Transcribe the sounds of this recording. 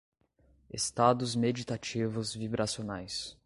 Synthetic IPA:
est̪ad̪ʊzmed͡ʒit̪at͡ʃivʊzvibɾʔasionajs

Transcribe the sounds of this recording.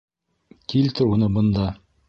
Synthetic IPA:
kilt̪ɘunɤbɤ̆nd̪ɑ

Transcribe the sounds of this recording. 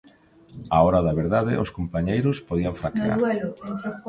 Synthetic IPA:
aɔɾaðaβeɾðaðɪ̰ʔoskompaɲejɾʊspoðiaɱfɾaka̰ɾl

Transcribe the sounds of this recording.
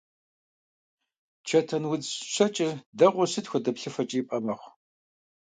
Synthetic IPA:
t͡ʃʰɐtʰɐnwʊd͡zɕɐt͡ʃʼɪdɐʁʷʊsɨtxʷɔdɐpɬɨfɐt͡ʃʼiːpʼɐmɐχʷ

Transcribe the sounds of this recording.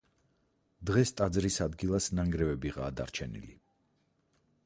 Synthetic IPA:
d̪ʁɛst̪ʼad̪zɾisad̪ɡilˠasnaŋɡɾɛvɛbiʁa̰ːd̪a̰ɾt͡ʃʰɛnḭli

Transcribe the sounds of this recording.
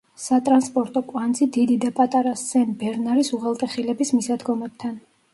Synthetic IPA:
sat̪ʼɾanspʼɔɾt̪ʼɔkʼwand̪zid̪id̪id̪apʼat̪ʼaɾast̪sɛnbɛɾnaɾisuʁɛlˠt̪ʼɛχilɛbismisad̪ɡɔmɛb̥̚t̪ʰan

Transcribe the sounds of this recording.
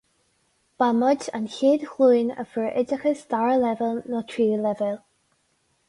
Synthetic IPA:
b̥aməda̰nçiːdxluːnə̰fəɹʔɪdəxəsd̪aɹəlɛvəlˠnɔtʰɹiːlɛvɛlˠ

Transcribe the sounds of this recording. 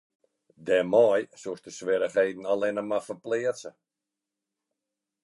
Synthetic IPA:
dɛmɔjsusdəsʋɪɾəχejdn̩alɪnəmafərplɪəsə

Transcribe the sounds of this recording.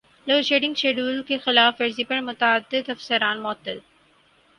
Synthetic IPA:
loːʃeːʈɪ̃ŋɡʃeːɖuːlkexɪlaːfɐɾzipɐɾmʊt̪aəd̪ːɪd̪ɐfsəɾaːnmʊət̪ːəl

